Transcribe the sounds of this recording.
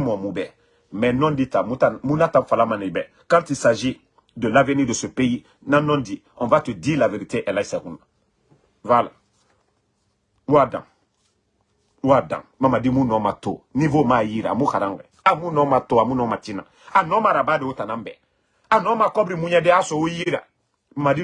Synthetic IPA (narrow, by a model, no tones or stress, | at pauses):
mɔmubɛ | mɛnɔ̃nditamutamũnatãɱfalamanibɛ | kãntisaʒi | dəlavenidosopeji | nãnɔ̃ndi | ɔ̃vatedilaveɾiteʔɛlaisɛkũna | vala | wadã̰ | wadã̰mamadimũnɔmato̰nivomajiɾa̰mukaɾãŋkɛ̰amunɔmatoamũnɔmatinã̰ | anɔmaɾabaːdewotanãmbɛ̰ | anɔmakɔbɾimũɲɛdeasɔwojiɾa̰ | madi